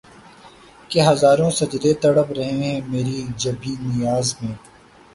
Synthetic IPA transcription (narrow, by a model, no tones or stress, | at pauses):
keɦɐzaːɾõːsɐd͡ʒd̪et̪ɐɽəpɾɐɦẽɦɦɛ̃ːmeːɾid͡ʒɐbiːnɪjaːzmẽː